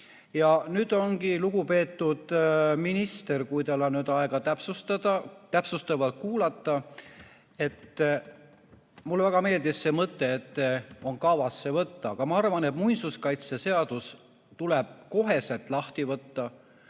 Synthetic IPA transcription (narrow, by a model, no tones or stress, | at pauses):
jɑnyːd̪̥o̞ŋɡiluɡupe̞ːt̪ːud̪̥minist̪e̞rkujt̪ɑlɑnyd̪ɑeɡ̥ɑt̪æpsust̪ɑd̪ɑt̪æpsust̪evɑt̪̚kuːlɑt̪ːɑ | e̞t̪ː | mulːevæɡ̥ɑme̞ːld̪isːeːmɤt̪ːe̞ːt̪ːo̞nkɑvɑsːe̞vɤt̪ːɑɑɡ̥ɑmɑɑrvɑne̞t̪mujnsuskɑjt̪sese̞ɑd̪̥us | t̪uleb̥̚ko̞ɦe̞se̞lt̪ˑlɑht̪ivɤt̪ːɑ